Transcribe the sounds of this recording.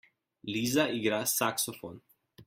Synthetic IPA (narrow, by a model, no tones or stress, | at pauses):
lizaiɡɾasaksɔfɔn